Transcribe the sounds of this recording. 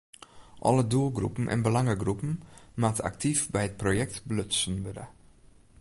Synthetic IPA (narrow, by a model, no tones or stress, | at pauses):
ʔɔ̰ləduəlˠɡrṵpn̩ʔɛ̰nbəlɑŋəɡrupn̩matəa̰ktifbɛjət̚projɛk̚tbløsənʋødə̰